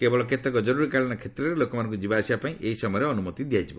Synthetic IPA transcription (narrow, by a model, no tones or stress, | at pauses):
kebɔɭɔket̪ɔkɔd͡ʒɔɾuɾikaɭiñɔkʰet̪ɾɔɾelokɔmanɔ̃ŋkud͡ʒibaːsibapaĩʔeɦisɔmɔjɔɾeɔnumɔt̪id̪ijajd͡ʒibɔ